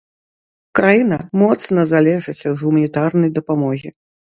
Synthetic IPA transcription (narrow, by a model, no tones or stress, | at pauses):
kɾajinɐmɔt̪snɐzalʲɛʐɨt͡sʲɐd̪ɣumɐnʲit̪arnɐjd̪ɐpamɔɣʲi